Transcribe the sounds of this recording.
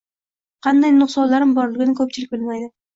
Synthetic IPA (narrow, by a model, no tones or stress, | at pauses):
qʰɑnd̪ajnʊqsɒlˠlːˠaɾɪmbɒɾlˠɡʲɪnɪkʲʰɵp̚t͡ʃʰɪlʲɪk̚ʲbolˠmajd̪ɪ